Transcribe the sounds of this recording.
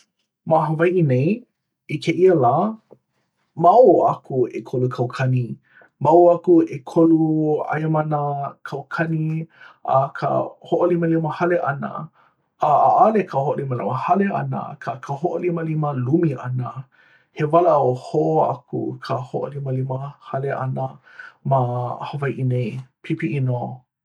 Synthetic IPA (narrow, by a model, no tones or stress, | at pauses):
maɦəvajʔinej | ikʰeʔiəlaː | mawoakʰuekʰolukʰawkʰɐni | mawakuekʰolua̰jəmɐnəkʰawkʰɐniʔa̰kʰə̰hoʔoliməliməhaleʔɐnə̰ | aʔalekʰəhoʔoliməliməhaleʔa̰nə̰kʰakʰəhoʔoliməliməlumiʔɐnə | hevalɐohoʔoa̰kṵkʰəhoʔo̰liməliməhaleʔa̰nə | mahəvajʔinejpʰipiʔino